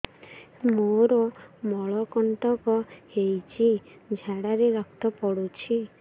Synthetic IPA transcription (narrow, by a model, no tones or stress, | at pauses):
moɾɔmɔɭɔkɔɳʈɔkɔhejt͡ʃʰi | d͡ʒʱaɽaɾeɾɔkt̪ɔpɔɽut͡ʃʰi